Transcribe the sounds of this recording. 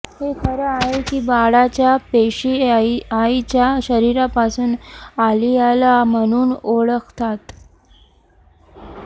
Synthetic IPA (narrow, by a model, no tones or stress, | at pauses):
hek̪ʰəɾəaɦekiːbaɽat͡ɕjapeɕiait͡ɕjaɕəɾiɾapasuːnalialam̤əɽ̃uːnoɽəkʰt̪at̪